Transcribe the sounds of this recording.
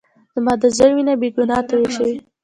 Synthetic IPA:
z̥əmɑd̪əzəɾwinabeɡʊnɑt̪aweʃawi

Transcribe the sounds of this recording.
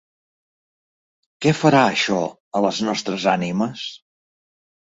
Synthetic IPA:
kɛfəɾaəʃɔ | ələznɔst̪ɾəzaniməs

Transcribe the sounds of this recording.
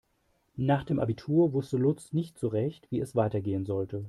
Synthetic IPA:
naːχd̥eːmʔa̰bitʰuːɐvʊstəlʊt͡snɪçtt͡suʁɛçtv̥iːɛsv̥aɪtɐɡeːənzɔltə

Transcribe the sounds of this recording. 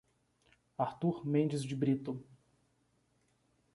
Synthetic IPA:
aɾt̪uɾmẽnd͡ʒɪzd͡ʒɪbɾit̪ʊ

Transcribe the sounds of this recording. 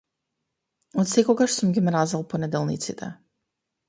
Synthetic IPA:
ot̪sɛkɔɡaʃsumɡʲimɾazalˠponɛd̪ɛlˠnḭt̪sit̪ʰɛ̰

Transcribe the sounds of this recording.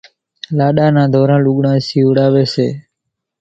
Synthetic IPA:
laɗanãːd̪ʱɔɾãːluɡɳãːsiʋɽaːʋese

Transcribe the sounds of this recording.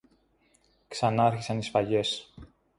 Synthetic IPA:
ksɐnɐɐɾçisɐnisfɐʝe̞s

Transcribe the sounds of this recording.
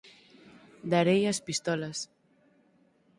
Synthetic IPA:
d̪aɾejaspist̪ɔlɐs

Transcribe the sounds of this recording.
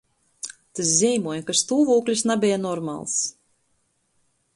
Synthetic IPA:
t̪as̬zʲɛjmuɔjkast̪uːvuːklʲisnabʲɛjanɔɾma̰lˠs

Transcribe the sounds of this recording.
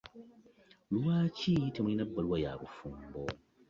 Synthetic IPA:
luwaːcitʰemuinabːaluwaja̰ːɾufumbo

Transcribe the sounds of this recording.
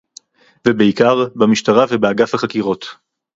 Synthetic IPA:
vebeikaʁbamiʃtaʁavebeaɡafhaχakiʁo̞t̪

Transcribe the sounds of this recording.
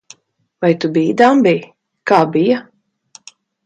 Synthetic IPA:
vajt̪ubiːd̪ambij | kaːbija

